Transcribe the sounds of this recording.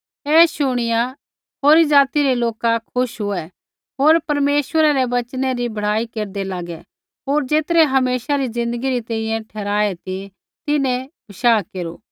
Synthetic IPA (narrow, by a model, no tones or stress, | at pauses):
ɛːʃʊɽ̃ɪja | ɦoːɾid͡ʒaːt̪iɾeloːkakʰʊʃɦʊɛ | ɦoːɾpɐɾmeːsʋəɾaɾɛʋɐt͡ʃnɛɾibʱɐɽ̤aːikeːɾd̪ɛlaːɡɛ | ɦoːɾd͡ʒeːt̪ɾɛɦɐmeːsaɾizɪ̃nd̪əɡiɾit̪ẽːĩjɛ̃ʈʰɛːɾaːet̪i | t̪ɪnɛ̃bʱɐʃaːkeːɾo̰ː